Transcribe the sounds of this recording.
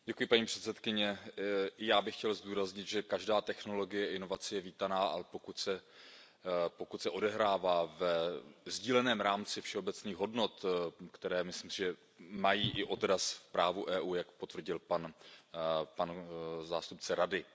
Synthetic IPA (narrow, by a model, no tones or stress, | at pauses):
ɟɛkujɪpaɲiːpr̝̥ɛt̪t͡sɛt̪kɪɲɛɪjaːbɪxcɛlzduːɾazɲɪt̪ʒɛkaʒdaːt̪ɛxno̞lo̞ɡɪjɛʔɪno̞vat͡sɪjɛviːt̪anaːʔalɛpo̞kut̪sɛ | pokut̪sɛʔo̞dɛɦɾaːvaːvɛzɟiːlɛnɛːmɾaːmt͡sɪfʃɛobɛt͡sniːxɦo̞dno̞t̪kt̪ɛɾɛːmɪsliːmsɪʒɛ | majiːʔɪʔo̞d̪ɾasfpɾaːvuʔɛːʔuːjakpo̞t̪vr̩ɟɪlpan | panzaːst̪up̚t͡sɛɾadɪ